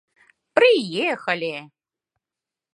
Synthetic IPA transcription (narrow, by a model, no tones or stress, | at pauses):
pɾɪjɛxɐlʲi